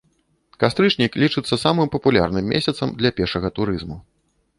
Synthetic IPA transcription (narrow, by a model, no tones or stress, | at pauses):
kast̪ɾɨt͡ʂnʲiklʲit͡ʂɨt̪sːɐsamɨmpɐpulʲa̰ɾnɨmʲːḛsʲɐt̪sɐmd̪lʲɐpʲɛrʂɐɣɐt̪uɾɨzmu